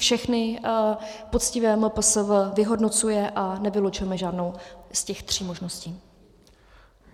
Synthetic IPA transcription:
fʃɛxnɪ | pot͡scɪvɛːməpəsəvvɪɦo̞dno̞t͡sujɛʔanɛvɪlot͡ʃʊjɛmɛʒaːdnowscɛxt̪r̝̥iːmo̞ʒno̞sciː

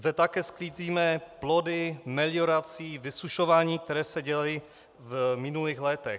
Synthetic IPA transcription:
zd̪ɛt̪akɛːskliːziːmɛplo̞dɪmɛlɪoɾat͡siːvɪsuʃovaːɲiːk̚t̪ɛɾɛːsɛɟɛlaji | vmɪnuliːxlɛt̪ɛx

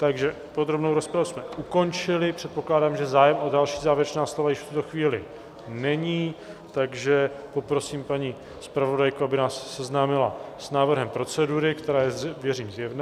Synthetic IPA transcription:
t̪aɡʒɛ | pod̪ɾo̞bnowɾo̞spɾavusmɛʔuko̞nt͡ʃɪlɪpr̝̥ɛt̪̚po̞klaːdaːmʒɛzaːjɛmodalʃiːzaːvɪɾɛt͡ʃnaːslo̞vajɪʃft̪ut̪o̞xviːlɪ | nɛɲiː | t̪aɡʒɛpo̞pɾo̞siːmpaɲi | spɾavo̞dajkoabɪnaːsːɛznaːmɪla̰snaːvr̩ɦɛmpɾo̞t͡sɛduɾɪkt̪ɛɾaːjɛzvjɛriːmzjɛvna

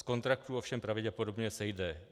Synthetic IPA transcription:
sko̞nt̪ɾakt̪uofʃɛmpɾavɪɟɛpo̞dobɲɛsɛjdɛ

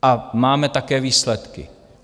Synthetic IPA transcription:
ʔamaːmɛt̪akɛːviːslɛt̪kɪ̰

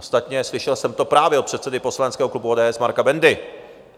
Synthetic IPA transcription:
st̪at̪ɲɛslɪʃɛlsɛmt̪o̞pɾaːvjɛopr̝ɛt̪sɛdɪpo̞slanɛtt͡skɛːɦo̞klubuoːdɛːʔɛsmaɾkabɛndɪ

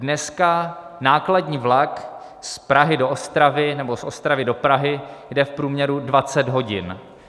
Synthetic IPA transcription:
dnɛska | naːkladɲiːvlak | spɾaɦɪdoʔost̪ɾavɪnɛbo̞sost̪ɾavɪdo̞pɾaɦɪjdɛfpɾuːmɲɛɾudvat͡sɛd̪ɦo̞ɟɪ̰n

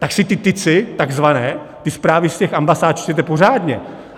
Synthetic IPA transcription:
t̪aksɪt̪ɪt̪ɪt͡sɪt̪aɡzvanɛː | t̪ɪspɾaːvɪscɛxambasaːt̪̚t͡ʃsɛt̪̬ɛporaːd̪ɲɛ

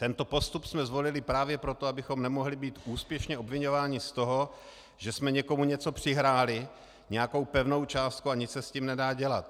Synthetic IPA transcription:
t̪ɛnt̪o̞po̞st̪upsmɛzvo̞lɪlɪpɾaːvjɛpɾo̞t̪oabɪxo̞mnɛmo̞ɦlɪbiːt̪ʔuːspjɛʃɲɛʔo̞bvɪɲo̞vaːɲɪst̪o̞ɦo̞ | ʒɛsmɛɲɛko̞muɲɛt͡so̞pr̝̥ɪɦɾaːlɪ | ɲɛjako̞wpɛvno̞wt͡ʃaːst̪̚kuaɲɪt͡ssɛsciːmnɛdaːɟɛlat̪̚

